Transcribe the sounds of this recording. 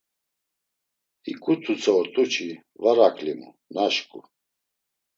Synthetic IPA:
ikʼut̪ʰut͡sʰʼɛɔɾt̪ʼut͡ʃʰi | vaɾakʰʼlimṵ | naʃkʼṵ

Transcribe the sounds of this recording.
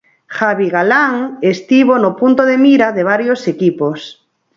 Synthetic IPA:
xaβiɣalaŋest̪iβonopunt̪oðemiɾaðeβ̞aɾjosekipos

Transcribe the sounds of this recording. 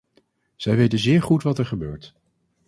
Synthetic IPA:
z̥ɛjʋejtənzɪːɹχutʋɑtɛɹχəbøːɹt

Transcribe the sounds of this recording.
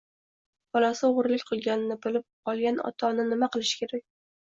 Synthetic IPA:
bɒlˠɒsɪʊʁɾlɪkʲqʰɨlˠɡʲanɪnɪbɪlɪp̚qʰɒlˠɡʲanɒ̰t̪ʰɒnɪnɪmaqɨlˠɪʃɪ̥kʲʰeɾak̚ʲ

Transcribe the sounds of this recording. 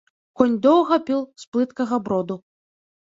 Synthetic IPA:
kɔnʲd̪ɔwɣɐpʲilˠsplˠɨt̪kɐɣɐbɾɔd̪u

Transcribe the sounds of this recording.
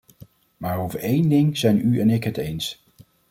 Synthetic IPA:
maːɹowvəɹejndɪŋz̥ɛjnyɛnɪkɦətejns

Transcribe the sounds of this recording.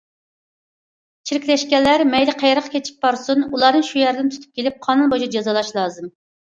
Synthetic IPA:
t͡ʃʰiɾkʲlɛʃkʲɛlːæɾmɛjlɪqʰɛjɾəqʰɑ̥kʲʰet͡ʃʰi̥p̚bɑɾsunulˠɑnɨŋʃujɛɾɪd̪ɪnt̪ʰy̥t̪ʰy̥p̚kʲelɪp̚qʰɑnunbod͡ʒid͡ʒɑzɑlˠɑʃlˠɑːzɨm

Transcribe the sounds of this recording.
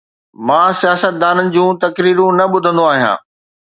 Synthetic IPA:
mãːsijaːsət̪̚d̪aːnənɪ̆d͡ʑũːt̪ɐkɾiːɾũnɐɓʊd̪ʱə̃nd̪oaːɦijã̰ː

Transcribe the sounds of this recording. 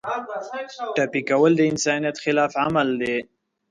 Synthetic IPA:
ʈapikawəld̪əɪnsɑnijat̪xɪlɑːfʕamald̪e

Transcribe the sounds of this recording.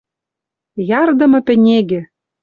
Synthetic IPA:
jɑrd̪ɤ̆mɤ̆pʲɘ̆nʲeɡɘ̆

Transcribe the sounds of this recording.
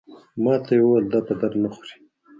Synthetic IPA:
mɑt̪ʰajewwald̪at̪ad̪aɾnaxuɾi̥

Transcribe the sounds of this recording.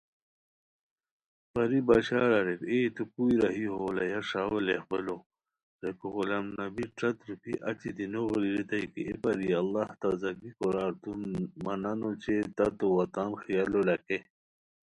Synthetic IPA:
pɐɾibaɕaːɾaɾekeːt̪ukujɾɐɦiɦoːlajaʂaːwelehbəlo | ɾekoɣulamnɐbiʈ͡ʂɐt̪ɾupḭʔɐt͡ɕid̪inoɣliɾit̪ajkiʔepɐɾialːɑht̪azɐɡikoɾaːɾt̪unmɐnanot͡ɕet̪ɐt̪owat̪aːnxijalolake

